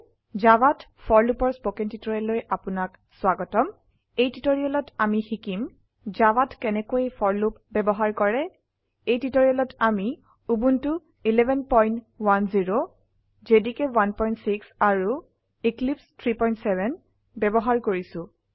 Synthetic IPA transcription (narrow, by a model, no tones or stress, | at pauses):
zawatfʰɔɹlupɔɹspokɛntitɔjɛlojʔapʊnak | swaɡɔtɔm | ejtitoɹiɔlɔtamixikim | zawatkɛnɛkoejpʰɔɹlupbɛbɔɦaɹkɔɹɛ | ejtitoɹiɔlɔtami | ubuntu | ilɛbʱɛnpɔjnt | wanziɹo | zedikɛwanpɔjntsiksaɹu | iklipstʰɹipɔjntsɛbʱɛn | bɛbɔɦaɹkoɹisʊ̃